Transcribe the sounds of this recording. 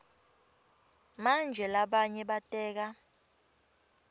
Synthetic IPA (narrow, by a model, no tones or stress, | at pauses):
mand͡ʒʱɛlaɓaɲɛɓatʼɛːk̬a